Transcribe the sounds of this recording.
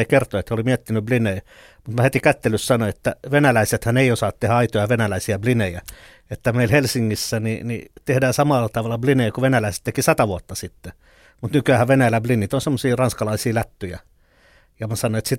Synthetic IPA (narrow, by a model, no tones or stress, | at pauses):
ikert̪oet̪holimiɛt̪ːinyblinei | mut̪mæhet̪ikæt̪ːelyssɑnoet̪ːæʋenælæiset̪hæneiosɑːt̪t̪ehæɑit̪ojɑʋenælæisiæblinejæ | et̪ːæmeilhelsiŋːisːænḭnḭt̪ehdæːsɑmɑlːɑt̪ɑʋɑlːˑɑblineikuʋenælæise̥t̪t̪ekisɑt̪ɑʋuot̪ːɑsit̪ːe | mut̪nykyæhæʋʋenæjælæblinːit̪onsemːosiːrɑnskɑlɑisiːlæt̪ːyjæ | jɑmɑsɑnoet̪sit̪